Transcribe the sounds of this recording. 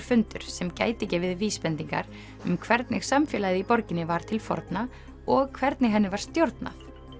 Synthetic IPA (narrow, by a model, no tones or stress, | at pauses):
ɾ̥fʏnt̪ʏɾ̥sɛmca̰ːjt̪ɪcɪvɪðviːspɛnt̪iŋka̰ɾ | ʏmkʰvɛɾt̪nɪɣ̥samfjɛːlajðɪipɔɾcɪnːɪvaɾ̥t̪ʰɪlfɔ̰ɾt̪na | ɔɣkʰvɛɾt̪nɪɦɛnːɪvaɾ̥st̪jowɾt̪na̰θ